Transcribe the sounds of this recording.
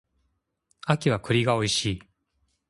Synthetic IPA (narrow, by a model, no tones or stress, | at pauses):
akʲiβakɯ̟ɾʲiɡao̞iɕiː